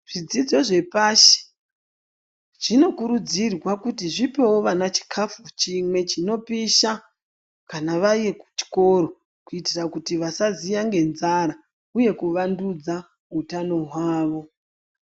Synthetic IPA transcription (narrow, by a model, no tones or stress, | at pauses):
ʐ̥id͡zid͡zo̞ʐe̞paʃe̥ | ʐ̥ino̞kuɾud͡zirwakutiʐipe̞wo̞ʋanat͡ʃi̥kʰafut͡ʃimwe̞t͡ʃino̞piʃa | kanaʋaije̞ku̥t͡ʃi̥ko̞ɾo̞ | kuitirakutiʋasazijaŋɡe̞nzaɾa | uje̞kuʋandud͡za | ɦutano̞ɦwaːʋo̞